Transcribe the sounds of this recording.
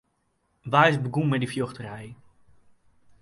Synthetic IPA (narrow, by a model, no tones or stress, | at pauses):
ʋaːɪsbəɡummɛdifjoχtərɛj